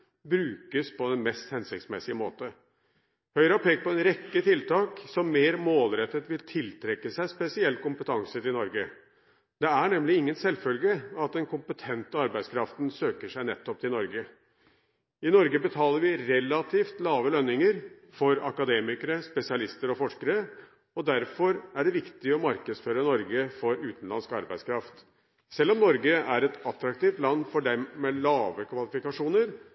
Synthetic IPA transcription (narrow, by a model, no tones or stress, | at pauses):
bɾʉːkəspʰɔd̪ɛnmɛst̪hɛnsɪkt̪smɛsɪəmoːt̪ə | hœʏəɾɑːpʰeːɡ̚pɔɛnɾɛkːət̪ʰɪlt̪ɑːksɔmːeːɾmoːlɾɛt̪ːət̪ʋɪlt̪ʰɪlt̪ʰɾɛkːəsæɪspɛsɪɛlt̪̚kʊmpət̪ʰɑŋsət̪ɪnɔɾɡə | d̪ɛæɳɛmlɪɪŋːənsɛlfœlɡəɑt̪̚d̪ɛnkʰʊmpət̪ʰɛnt̪əɑɾbæɪskʰɾɑft̪nsøːkəʂæɪnɛt̪ːɔp̚t̪ɪnɔɾɡə | ɪnɔɾɡəbət̪ʰɑːləɾʋɪɾɛlɑt̪ʰiːft̪lɑːʋəlœnːɪŋəɾ | fɔɾɑkɑd̪eːmɪkəɾəspɛsɪɑlɪst̪əɾɔfɔʂkəɾə | ɔd̪æɾfɔɾæɖɛʋɪkt̪ɪɔmɑɾkəd̪sføːɾənɔɾɡəfɔɾʉːt̪n̩lɑnskɑ̰ɾbæɪskʰɾɑft̪ | sɛlːɔmnɔɾɡəʔæɾɛt̪ɑt̪ɾɑkt̪iːft̪lɑnːfɔɖɛmːɛlɑːʋəkʰʋɑlɪfɪkɑʂuːnəɾ